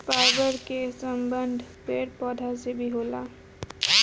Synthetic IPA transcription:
faɪbəɾkesəmbənd̪ʱpeɾpɔd̪ʱasebʱiɦola

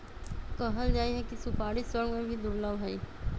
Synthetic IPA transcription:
kəɦəld͡ʒaːiɦɛkisʊpaːɽisəɾɡmẽbʱid̪ʊɾləʋɦɛiː

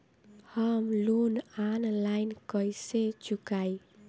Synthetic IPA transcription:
haːmluːnʔanlajnkɔjset͡ɕukaj

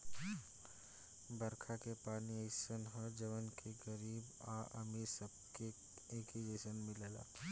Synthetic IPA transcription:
bɐɾkʰakepaːniəɪsənɦɔd͡ʒɐʋənkʰeɡəɾiːb | aːʔə̰misəb̚ke | eːkid͡ʒeːsənmɪləla̰ː

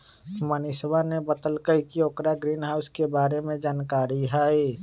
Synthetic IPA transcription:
mənɪswanebət̪əlkəkioːkɾaɡɾiːnɦaːʊskebaːɾemẽd͡ʒaːnkaːɾiɦaːi

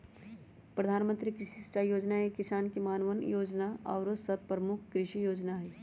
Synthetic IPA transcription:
pɾɐd̪ʱaːnmə̃nt̪ɾikɾɪʃisʈajoːd͡ʒnaekɪsaːnkimaːnʋənjoːd͡ʒnaɔ̰ːɾosɐd̪̚pɾəmʊkʰkɾɪʃijoːd͡ʒnaɦɛː

